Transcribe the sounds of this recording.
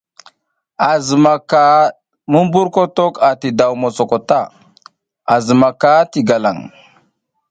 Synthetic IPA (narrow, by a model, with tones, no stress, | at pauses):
a˨zə˨ma˨ka˦ | mə˦m˦bu˦ɾko˦to˦ka˨ti˨da˨wmo˨t͡so˨ko˨ta˦˨ | a˨zə˨ma˨ka˦ti˨ɡa˨la̰˨ŋ